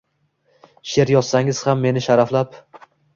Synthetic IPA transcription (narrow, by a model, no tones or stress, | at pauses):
ʃe̞ɾjɒsaŋɪz̥hamːe̞nɪʃaɾaflap